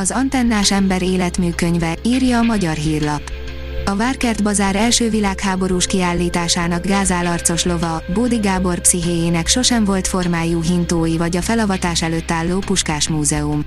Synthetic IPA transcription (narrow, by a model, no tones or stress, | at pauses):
ɒzɒnt̪ɛnːaːʃɛmbɛɾeːlɛt̪myːkø̞ɲvɛiːrjɒːmɒɟɒrɦiːrlɒp | ɒvaːrkɛrd̪bɒzaːɾɛlʃøːvilaːkhaːbo̞ɾuːʃkiaːlːiːt̪aːʃaːnɒɡɡaːzaːlɒrt̪so̞ʃlo̞vɒboːd̪iɡaːbo̞rpsiɦeːjeːnɛkʃo̞ʃɛɱvo̞lt̪fo̞rmaːjuːɦint̪oːjivɒɟɒfɛlɒvɒt̪aːʃɛløːt̪ːaːlːoːpuʃkaːʃmuːzɛum